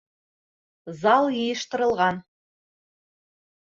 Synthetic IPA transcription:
zɑlˠjɤjɤ̆ʃt̪ɤ̆ɾɤ̆lˠʁɑn

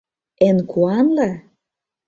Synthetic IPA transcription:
enkʰuɑnlɑ

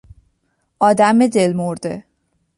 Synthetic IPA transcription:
ʔɒːd̪æmbed̪elmoɾd̪̥ḛ

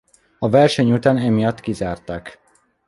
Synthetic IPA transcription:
ɒvɛrʃɛɲut̪aːnɛmijɒt̪ːkizaːrt̪aːk

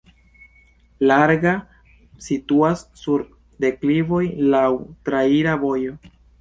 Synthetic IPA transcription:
laɾɡa | situasːuɾ | de̞klivo̞jlawtɾaiɾavo̞jo̞

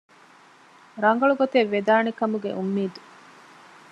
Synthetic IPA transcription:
ɾɐŋɡɐɭuɡot̪eʋːed̪aːnekɐmuɡḛʔumːiːd̪u

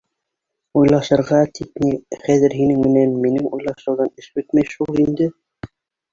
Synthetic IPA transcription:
ujlˠɑʃɤ̆ɾʁɑt̪ʰit̪niχæðɘɾɦinɘŋmɘ̆nænminɘŋujlˠɑʃɤ̆wðɑnɘʃbɵt̪mæjʃulˠind̪ɘ

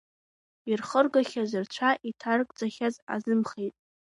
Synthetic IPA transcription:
irχərɡaχʲazɨrt͡ɕʷʰaʔitʰarkʼd͡zʷʼaχʲaza̰zɨmχejtʼ

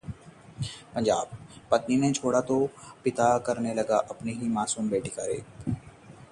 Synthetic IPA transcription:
pɐ̃nd͡ʒaːb̚pɐt̪ninet͡ʃʰoːɽat̪opɪt̪akɐɾnelɐɡaʔɐpniɦimaːsuːmbeːʈikaɾḛːk̪

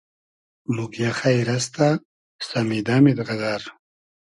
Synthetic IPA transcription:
mukjaχajɾast̪a | samid̪amid̪ʁazaɾ

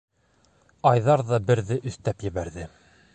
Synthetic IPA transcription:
ɑjðɑɾðɑbɘ̆ɾðɘʔɵ̆θt̪æpjɘ̆βæɾðɘ

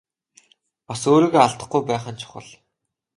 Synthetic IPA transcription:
pasoːɾiːɣeaɮt̪ə̆χ̚ɡujpæːχə̆nt͡ɕʰʊ̥χə̰̆ɮ

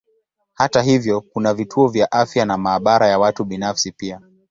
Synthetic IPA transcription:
hataɦivjɔkunavitʰuɔvjaʔafjanamaːɓaɾajawatuɓinafsipia

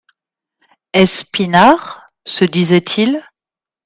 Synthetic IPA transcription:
ɛspinaʁ | səd̪izɛt̪ʰil

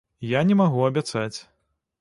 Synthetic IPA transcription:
janʲɛmaɣuɐbʲat̪sat͡sʲ

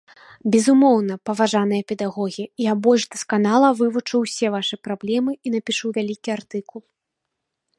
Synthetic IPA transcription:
bʲɛzumɔwnɐpɐvaʐanɨjɐpʲɛd̪aɣɔɣʲiijabɔlʲʐd̪ɐskanalˠɐvɨvut͡ʂɨwsʲɛvaʂɨpɾablʲɛmɨin̪ɐpʲiʂuwvʲalʲikʲiart̪ɨkulˠ

